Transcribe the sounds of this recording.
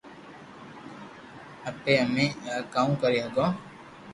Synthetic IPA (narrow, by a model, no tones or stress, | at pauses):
əpeːəmẽːkaːũːkəɾiːɦəɡõː